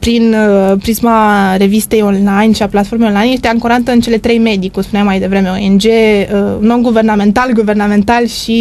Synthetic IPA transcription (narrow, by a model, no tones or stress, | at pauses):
pɾinəpɾismaɾe̞vist̪e̞jo̞nlajnʃiaplat̪fo̞ɾmejonlajnje̞st̪eaɨŋkoɾant̪əɨnt͡ʃe̞le̞t̪ɾe̞jme̞d̪ikumspuneamːajd̪e̞vɾe̞me̞oend͡ʒeənːonɡuve̞rname̞nt̪alɡuve̞rnamẽ̞nt̪alʃi